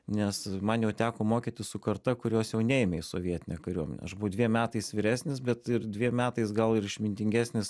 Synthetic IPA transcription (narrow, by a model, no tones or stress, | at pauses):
nʲɛsmɐnjɛʊt̪ʲæːkoːmoːkʲiːt̪ʲɪssʊkɐɾt̪ɐkʊɾʲoːsjɛʊnʲɛɪmʲɛɪsoʋʲiɛt̪ʲɪnʲɛkɐɾʲuɔmʲɛ̰nʲɛ̰ɐʒbʊʋʊd̪ʲʋʲiɛmʲæːt̪ɐɪsʋʲɪɾʲæːsʲnʲɪsbʲɛt̪ɪrd̪ʲʋʲiɛmʲæːt̪ɐɪsɡɐlˠɪɾɪʃʲmʲɪnʲt̪ʲɪŋʲɡʲæːsʲnʲɪs